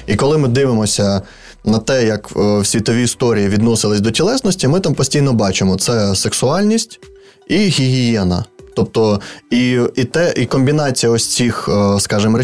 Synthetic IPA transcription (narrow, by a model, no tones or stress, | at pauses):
ikɔlˠɪmɪd̪ɪʋɪmɔsʲɐ | nɐt̪ɛjɐkwsʲʋʲit̪ɔʋʲiːst̪ɔɾʲijiʋʲid̪nɔsɪlˠɪsʲd̪ɔtʲɛlˠɛsnɔsʲtʲimɪt̪ɑmpɔsʲtʲijn̪ɔbɑt͡ʃemɔt̪sɛseksʊɑlʲnʲisʲtʲ | iɦʲiɦʲijɛnɐ̰t̪ɔp̚t̪ɔiit̪ɛʔikɔmʲbʲinɑt͡sʲijɐɔsʲt͡sʲixskɑʒɪmɾɛ